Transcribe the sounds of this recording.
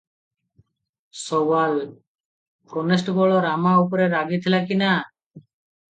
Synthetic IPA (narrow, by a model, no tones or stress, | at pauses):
sɔwal | kɔnes̬ʈɡɔɭɔɾamaupɔɾeɾaɡit̪ʰilakina